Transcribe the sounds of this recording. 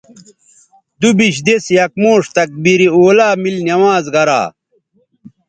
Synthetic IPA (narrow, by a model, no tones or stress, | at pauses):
d̪ubiɕd̪esjɐk̚moːʂt̪ɐk̚biɾioːlaːmilnjɐwaːzɡɐɾa̰ː